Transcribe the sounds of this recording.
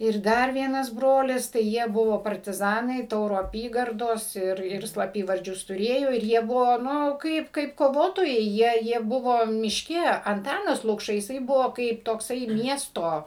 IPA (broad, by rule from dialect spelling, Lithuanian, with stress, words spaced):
ɪr ˈdɐr ˈʋʲiɛnɐs ˈbroːlʲɪs tɐɪ ˈjiɛ ˈbʊʋoː pɐrʲtʲɪˈzɑːnɐɪ ˈtɐʊroː ɐˈpʲiːɡɐrdoːs ˈɪr ɪr slˠɐˈpʲiːʋɐrʲd͡ʒʲʊs tʊˈrʲeːjoː ɪr ˈjiɛ ˈbʊʋoː ˈnʊ ˈkɐɪp kɐɪp koːˈʋoːtoːjɛɪ ˈjiɛ jiɛ ˈbʊʋoː mʲɪʃʲˈkʲɛ ɐnˈtɑːnɐs lˠʊkˈʃɐ jɪˈsɐɪ ˈbʊʋoː kɐɪp toːkˈsɐɪ ˈmʲiɛstoː